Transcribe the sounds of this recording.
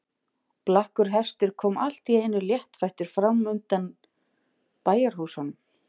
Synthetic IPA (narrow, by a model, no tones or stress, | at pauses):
plahkʏɾɦɛst̪ɪɾ̥kʰɔːmal̥t̪ieːjnʏljɛht̪fajht̪ʏɾ̥fɾamʏnt̪an | paːjaɾ̥huːsan